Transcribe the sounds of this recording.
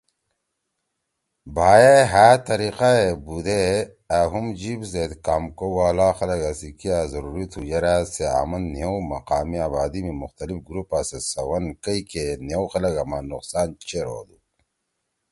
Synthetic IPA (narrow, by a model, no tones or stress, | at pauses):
baːjeɦat̪ɐɾiqaebud̪e | aɦumd͡ʑibzet̪kaːmkowaːlaːxɐlɐɡɐsikiazɐɾuːɾit̪ʰud͡ʑɐɾaːsea̰ːmɐnnjewmɐ̰qaːmiaːbaːd̪imimuxt̪ɐlifɡɾupasesɐwɐnkɐikenjewxɐlɐɡɐmaːnuqsaːnt͡ɕʰeɾo̰ːd̪u